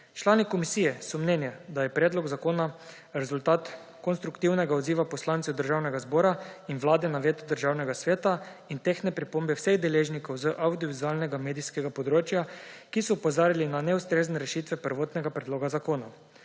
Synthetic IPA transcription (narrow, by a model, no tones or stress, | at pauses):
t͡ʃlaːnikɔmisiːjɛsɔmnɛnjɛd̪ajɛpɾɛːd̪lɔɡzakoːna | ɾɛzult̪aːt̪ | kɔnst̪ɾukt̪iwnɛɡaɔd̪ziːʋapɔslaːnt̪sɛwd̪əɾʒaːwnɛɡazbɔːɾainʋlaːd̪ɛnaʋeːt̪ud̪əɾʒaːwnɛɡasʋeːt̪aint̪eːxnɛpɾipoːmbɛwseɣd̪ɛleːʒnikɔwzəʔawd̪jɔʋizualnɛɡameːd̪iskɛɡapɔd̪ɾoːt͡ʃjakisɔupozaːɾilinanɛust̪ɾeːznɛɾɛʃit̪ʋɛpəɾʋoːt̪nɛɡapɾɛd̪loːɡazakoːna